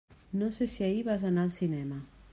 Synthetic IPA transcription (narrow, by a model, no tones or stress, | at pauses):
nõsesiaiβazanalsinɛma